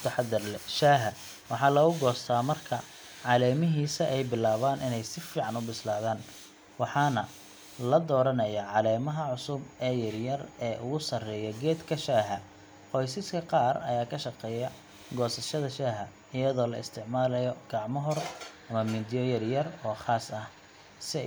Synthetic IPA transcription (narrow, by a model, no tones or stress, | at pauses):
t̪ʰɐħɑd̪ɐrlɛʃaːɦɐ | wɑħɑlɐɣʊɡɔːst̪ʰaːmɐrkʰɐ | ʕɑlɛːmɪɦiːsɐʔɛjbɪlaːβaːnʔɪnɛjsɪfiːʕɑnʊbɪslaːðaːn | wɑħɑːnɐ | lɐd̪ɔːɾɐnɐjɐʕɑlɛːmɐɦɐʕʊsʊbɛːjɐrjɐrɛːʔʊɣʊsɐrɛːjɐɡɛːd̪kʰɐʃaːɦɐ | qɔjsɪskʰɐqɑːrɐjaːkʰɐʃɑqɛːjɐ | ɡɔːsɐʃɐðɐʃaːɦɐ | ɪjɐðɔːlɐɪst̪ʰɪʕmaːlɐjɔɡ̥ɑʕmɔɦɔrʔɐmɐmiːd̪ijɔjɐrjɐrɔːχaːsɐh | sɪ